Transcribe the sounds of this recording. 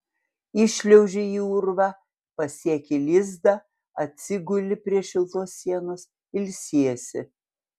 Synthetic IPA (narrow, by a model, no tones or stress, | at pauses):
ɪʃʲlʲɛʊʒʲɪiʊɾʋɑ | pɐsʲiɛkʲɪlʲɪzd̪ɐ | ɐt̪ʲsʲɪɡʊlʲɪpʲɾʲiɛʃʲɪlˠt̪oːsːʲiɛnoːs | ɪlʲsʲiɛsʲɪ̰